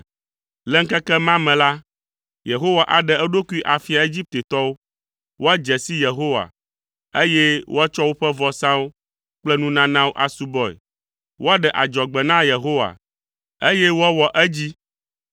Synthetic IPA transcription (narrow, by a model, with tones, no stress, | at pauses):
lɛ˦ŋ̩˦kɛ˦kɛ˦mã˦mɛ̃˨la˦ | je˨ɦo˦wa˨ʔa˨ɖɛ˨ɛ˦ɖo˦ku˦i˦ʔa˨fi˦a˨e˦d͡ʑi˦p̚t̪e˨t̪ɔ˦wo˦ | wo˦a˦d͡ʒɛ˨si˦je˨ɦo˦wa̰˨ | e˦je˦wo˦a˦t͡ʃɔ˦wo˦ɸɛ˦vɔ˦sã˦wo˦ | k͡plɛ˦nũ˦nã˦nã˦wo˦ʔa˨su˦bɔ˦ɛ̰˨ | wo˦a˦ɖɛ˨ʔa˨d͡ʒɔ˨ɡ͡bɛ˨nã˦je˨ɦo˦wa̰˨ | e˦jɛ˦wo˦ɛ˦wɔ˨ʔɛ˦d͡ʑi˦